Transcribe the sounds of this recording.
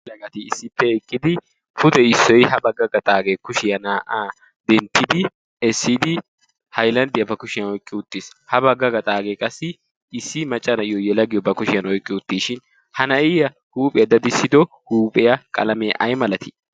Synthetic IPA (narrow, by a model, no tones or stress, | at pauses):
lɐɡɐt̪ɪːsːɪpːɛɛkʼːɪd̪ɪ | fʊt̪ɛɪsːɔjhɐbɐɡːɐɡɐt̪ʼaːɡeːkʊʃɪjɐnaːʔaː | d̪ɛnt̪ːɪd̪ɪ | ɛsːɪd̪ɪ | hɐjlɐnd̪ɪjɐbɐkʊʃɪjɐnɔjkʼːɪʊt̪ːishɐbɐɡːɐɡɐt̪ʼaːɡeːkʼɐsːɪ | ɪsːɪmɐt͡ʃʼːɐnɐjɔjɛlɐɡɪjɔbɐkʊʃɪjɐnɔjkʼːɪʊt̪ːiːʃɪn | hɐnɐɪjɐ | huːpʼɛjɐd̪ɐd̪ɪsːɪd̪ɔ | huːpʼɛjɐkʼɐ̰lɐmɛ̰ʔɐjmɐlɐt̪ɪ̥